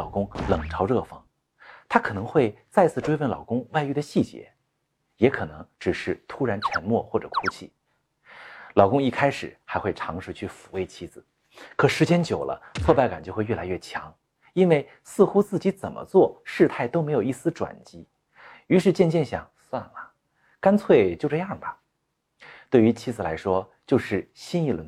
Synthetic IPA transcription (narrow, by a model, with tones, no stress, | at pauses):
ʊkʊ˥ŋlɤ˨˩ŋʈ͡ʂʰɑ˧˥ʊɻɤ˥˧fɤ˧˥˩ŋ | t̪ʰa˥kʰɤ˨˩nɤ˧˥ŋxwe˥˧ɪt͡sa˥˧ɪt͡sʰɹ̩˥˩˧ʈ͡ʂwe˥ɪfə˥˩nlɑ˨˩ʊkʊ˥ŋwa˥˧ɪy˥˩d̪ə˧ɕi˥˩t͡ɕjɛ̰˧˥ | jɛ˧˥kʰɤ˨˩nɤ˧˥ŋʈ͡ʂɻ̩˨˩ʂɻ̩˥˩t̪ʰu˥ɻa˧˥nt͡ɕʰɥɛ̰˧˥nmwɔ˥˧xwɔ˥˩ʈ͡ʂɤ̰˨˩kʰu˥t͡ɕʰi˥˩ | lɑ˨˩ʊkʊ˥ŋi˥˩kʰa˥ɪʂɻ̩˨˩xa˧˥xwe˥˩ɪʈ͡ʂʰɑ˧˥ŋʂɻ̩˥˧t͡ɕʰy˥˩fu˧˩kwe˥ɪt͡ɕʰi˥˩d͡zɹ̩˨˩ | kʰɤ˨˩ʂɻ̩˧˥t͡ɕjɛ˥nt͡ɕjo˨˩ʊlʔə̰˦t͡sʰwɔ˥˧pa˥˩ɪka˨˩nt͡ɕjo˥˧ʊxwɥɛ˥˩la˧˥ɪɥɛ˥˩t͡ɕʰjɑ̰˧˥ŋ | i˥nwe˥˩ɪ | sɹ̩˥˧xu˥t͡sɹ̩˥˩t͡ɕi˧˥t͡sə˨˩nmʔə̰˦t͡swɔ˥˧ʂɻ̩˥˧t̪ʰa˥˩ɪt̪o˥ʊme˧˥ɪjo˨˩ʊi˥˩sɹ̩˥ʈ͡ʂwa̰˨˩nt͡ɕi˧˥ | y˧˥ʂɻ̩˥˧t͡ɕjɛ˥˧nt͡ɕjɛ˥˩nɕjɑ̰˨˩ŋswa˥˩nlɐ˩ | ka˥nt͡sʰwe˥˧ɪt͡ɕjo˥˧ʊʈ͡ʂɤ˥˧jɑ˥˩ŋbɐ˩ | t̪we˥˩ɪy˧˥t͡ɕʰi˥d͡zɹ̩˨˩la˧˥ɪʂwɔ˥ | t͡ɕjo˥˧ʊʂɻ̩˥˩ɕi˥ni˥˩lə̰˧˥